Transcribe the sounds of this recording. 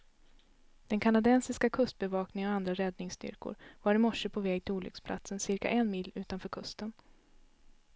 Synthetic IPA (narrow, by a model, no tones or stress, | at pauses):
d̪̥ɛnkʰanad̪ɛnsɪskakʰɵst̪̚bɛvɑːknɪŋəŋɔand̪ɾaɾɛd̪nɪŋst̪ʏ̰ɾkʊ̰ɾvaɾɪmɔʂəpʰɔvɛːɡ̚t̪ʰɪluːlʏ̰kspʰlʔa̰t̪sənsɪɾka̰ʔɛnmɪlːʉ̟ːt̪anfœːɾkʰɵst̪ən